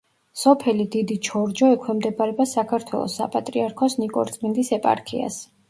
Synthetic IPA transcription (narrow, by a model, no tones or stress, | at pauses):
sɔpʰɛlid̪id̪it͡ʃʰɔɾd͡ʒɔɛkʰwɛmd̪ɛbaɾɛbasakʰaɾt̪ʰwɛ̰lˠɔ̰sːa̰pʼat̪ʼɾiaɾkʰɔsnikʼɔ̰ɾt̪sʼmɛnd̪isɛpʼa̰ɾkʰḭa̰s